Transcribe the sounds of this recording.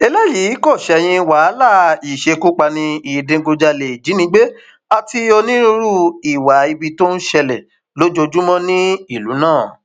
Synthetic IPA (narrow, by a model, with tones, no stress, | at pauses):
ɛ˧lɛ˦ji˨˦kɔ˦˨ʃɛ˧˨j̃ĩ˧wa˨˦la˦˨i˨ʃe˧ku˦k͡pa˧nĩ˧i˨dẽ˨˧˦ɡo˧d͡ʒa˧le˨d͡ʒi˨˦nĩ˧˦ɡ͡be˦ | a˧ti˧ɔ˧nĩ˦ɾũ˦ɾu˦i˨wa˨˦i˧bi˧to˦n̩˦ʃɛ˧lɛ˨ | lo˨˦d͡ʒo˧d͡ʒu˦mɔ̃˦nĩ˦i˦˨lu˨˦nãː˦˨